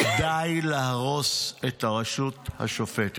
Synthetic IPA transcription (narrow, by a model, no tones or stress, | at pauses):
kd̪ajlahaʁo̞set̪aʁaʃutha̰ʃofet̪